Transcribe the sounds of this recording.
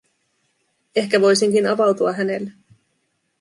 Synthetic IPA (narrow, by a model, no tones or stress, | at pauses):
e̞hkæʋo̞jsiŋkinɑʋɑwt̪uɑɦæne̞lːe